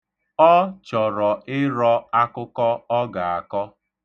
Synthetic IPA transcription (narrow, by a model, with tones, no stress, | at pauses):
ɔ˦t͡ʃɔ˨ɾɔ˨ɪ˦ɾɔ˦a˦kʊ˦kɔ˦ɔ˦ɡa˨a˨kɔ˦